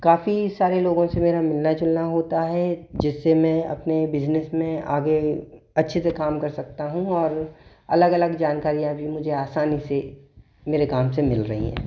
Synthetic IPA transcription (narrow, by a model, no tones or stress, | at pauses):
kaːfisaːɾeloːɡõsemeːɾamɪlnat͡ʃʊlnaɦoːt̪aɦɛd͡ʒɪsːemɛ̃ɐ̰pnebɪd͡ʒnəsmẽaːɡe | ɐtːʃʰesekaːmkɐɾsɐk̚t̪aɦũɔːɾ | ɐləɡɐləɡd͡ʒaːnkaːɾijabʱimʊd͡ʒʱeaːsaːnise | meːɾekaːmsemɪlɾɐɦḭɦɛ̰̃ː